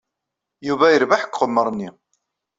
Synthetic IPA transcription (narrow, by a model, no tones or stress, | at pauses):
juvæjəɾvaħə̥kːʁəmːəɾˤnːi